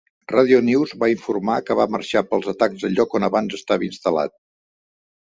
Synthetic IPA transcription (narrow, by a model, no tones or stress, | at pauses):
raðiuniwzβaiɱfurmakəβamə̰rʃapəlˠzət̪akzəʎɔkɔnəβanzəst̪aβəinst̪əla̰t̪̚